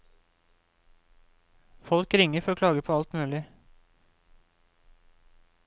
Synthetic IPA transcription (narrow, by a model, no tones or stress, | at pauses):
fɔlkɾɪŋəfɔɾoːkʰlɑːɡəpʰoːɑlt̪mʉːlɪ